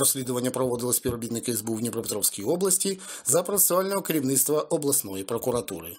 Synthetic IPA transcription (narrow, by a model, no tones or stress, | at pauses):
rɔsʲlʲid̪ʊʋɐnʲːɐpɾɔʋɔd̪ɪlˠɔsʲpʲiɾɔbʲit̪nɪkɐizbuwnʲipɾɔpɪt̪ɾɔwsʲkʲijiɔblˠɐsʲtʲizɐpɾɔt̪e̥sʲalʲnɔɦɔkɐɾʲiwnɪt̪st̪ʋɐʔɔblˠɐsnɔjipɾɔkʊɾɐt̪ṵɾɪ̰